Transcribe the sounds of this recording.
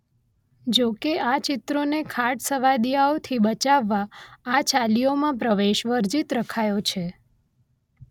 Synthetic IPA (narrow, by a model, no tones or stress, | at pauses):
d͡ʒokeat͡ʃɪt̪ɾonekʰaʈsəʋad̪ijaot̪ʰibət͡ʃaʋːaːt͡ʃalijomãp̬ɾəʋeʃʋəɾd͡ʒit̪ɾəkʰajot͡ʃʰe